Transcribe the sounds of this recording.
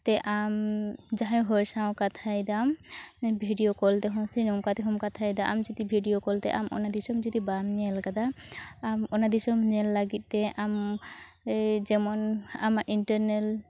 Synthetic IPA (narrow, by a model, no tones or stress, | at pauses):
t̪ɛʔamd͡ʒaɦãjɦɔɾsaw̃kat̪ʰajd̪ambʱiɖijokɔlt̪ɛɦɔ̃sinɔmkat̪ɛɦɔmkat̪ʰajd̪aʔa̰md͡ʒɔd̪ibʱiɖijokɔlt̪ɛ̰ʔa̰mʔɔ̰nad̪isɔmd͡ʒɔd̪ibamɲɛlkad̪aː | mɔnad̪isɔmɲɛlːaɡit̪̚ˀt̪ɛʔam | d͡ʒɛmɔnamaʔinʈəɾnɛl